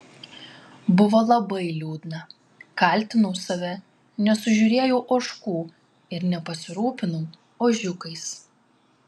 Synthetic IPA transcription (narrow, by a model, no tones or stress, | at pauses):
bʊʋɐlˠɐbɐɪlʲuːd̪ʲnɐ | kɐˑlʲˑt̪ʲɪnʊʊsɐʋʲɛ | nʲɛsʊʒʲʊːɾʲeːjoʊʔoːʃkuː | ɪɾnʲɛpɐsʲɪɾuːpʲɪnʊː | oːʒʲʊkɐɪs